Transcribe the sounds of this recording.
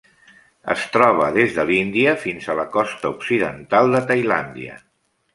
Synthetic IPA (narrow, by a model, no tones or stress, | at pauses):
ə̰st̪ɾɔβ̞əðezðəlind̪iəfinzələkɔst̪əuksiðənt̪alˠd̪ət̪əjla̰nd̪iə̰